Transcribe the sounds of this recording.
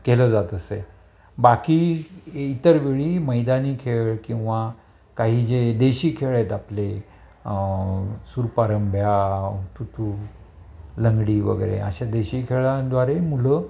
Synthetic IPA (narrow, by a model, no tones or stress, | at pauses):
keləd͡zat̪əse | bakiːit̪əɾʋiɭiːməjd̪aniːkʰeɭkĩw̃ʋa | kaɦiːd͡zed̪eɕiːkʰeɭet̪aple | suɾpaɾəmbʱjat̪ut̪u | ləŋɡɽiːʋə̰ɡəjɾḛə̰ɕad̪eɕiːkʰeɭad̪ʋaɾemulə